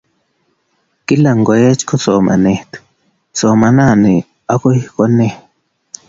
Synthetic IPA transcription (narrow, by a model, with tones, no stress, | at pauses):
ki˦la˨ŋɡo˨je˦t͡ʃko˦so˨ma̰˨ne˨ht̪ | so˨ma˨na˦˨ni˨ | a˦ko˦i˦hko˦ne˦